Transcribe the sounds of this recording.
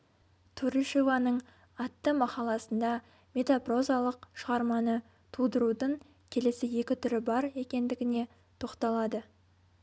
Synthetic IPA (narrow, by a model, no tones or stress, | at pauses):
t̪ʰuɾiʃovɑnəɴ | ɑt̪ːəmɑqɑlˠɑsənd̪ɑ | mʲe̞t̪apro̞zalˠəqʃəʁɑɾmɑnə | t̪ʰulˠd̪əɾud̪əɴ | kʲʰe̞le̞sɪje̞kʲɪt̪ʰʏɾɪbɑɾe̞kʲe̞nd̪ɪɡʲɪne̞ | t̪ʰo̞qt̪ɑlˠɑd̪ə